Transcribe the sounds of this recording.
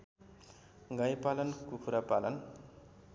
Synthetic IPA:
ɡʌjpalʌnkukʰuɾapalʌn

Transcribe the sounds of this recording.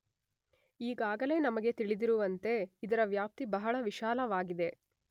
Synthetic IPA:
iːɡaːɡɐle̞ːnɐmɐɡe̞t̪iɭid̪iɾuʋɐnt̪e̞id̪ɐɾɐʋjaːp̚t̪ibɐɦɐɭɐʋiʃaːlɐʋaːɡid̪e̞

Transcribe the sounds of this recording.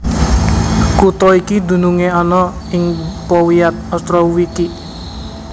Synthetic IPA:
kut̪ɔikid̪ṳnuŋeɔnɔ | ɪŋpɔwiat̪̚ɔst̪ɾɔwiki

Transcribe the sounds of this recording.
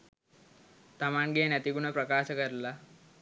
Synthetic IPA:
t̪amaɳɡenjat̪iɡuɽ̃əpɾəkaɕəkəɾla

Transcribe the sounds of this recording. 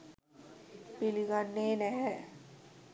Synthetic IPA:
piliɡanːeːnɛɦɛ

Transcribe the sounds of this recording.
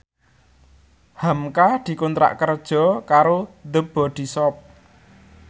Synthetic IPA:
hamkad̪̥i̤kont̪ɾa̰ʔkərd̥ʒ̥ɔ̤kaɾod̪əb̥ɔ̤d̪̥i̤sɔp̚

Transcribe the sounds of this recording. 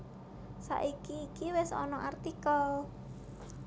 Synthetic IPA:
sa̰ʔikiːkiwɪsɔ̰nɔʔart̪ikɔl

